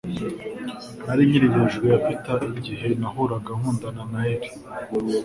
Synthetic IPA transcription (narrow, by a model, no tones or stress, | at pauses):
naɾiɲiɾiβiʒɡejafitaʔiɟiɦe̞nahoɾaɡaŋ̥uːndananaeɾi̥